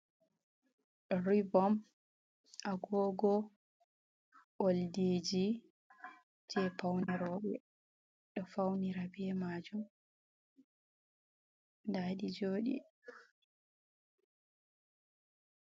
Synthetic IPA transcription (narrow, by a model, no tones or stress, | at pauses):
ɗɔɾibɔm | ʔaɡɔːɡɔ | wolded͡ʒi | d͡ʒɛpawnɛɾɔɗɛ̰ | ɗɔfawniɾabɛmad͡ʒum | daːɗid͡ʒoːɗḭ